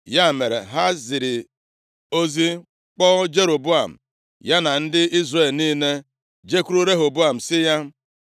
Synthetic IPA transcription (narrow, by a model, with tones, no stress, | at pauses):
ja˦˨me˨ɾḛ˨ɦa˦zɪ˨ɾɪ˨ | o˦zi˦ | k͡pɔ˦d͡ʒe˦ɾo˨bu˦a˨m̩̰˨ | ja˦na˨n̩˦dɪ˦i˦zre˨lniː˦ne˦ | d͡ʒe˦ku˦ɾu˦ɾe˦ɦo˨bu˦a˨m̩˨sɪ˦ja˦